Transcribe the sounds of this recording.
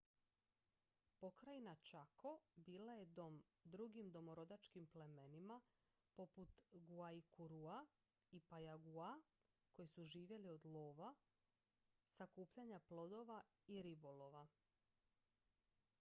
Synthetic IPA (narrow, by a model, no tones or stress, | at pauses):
po̞kɾainat͡ʃakʰo̞biːlaje̞d̪o̞m | d̪ɾuɡimd̪o̞mo̞ɾo̞d̪at͡ʃkimple̞me̞nima | po̞put̪ɡuaikuɾua | ipajaɡua | ko̞jisuʒiːʋje̞lio̞d̪lˠoːʋa | sakuːpʎaɲaplˠo̞d̪o̞ʋa | iɾibo̞lo̞ʋa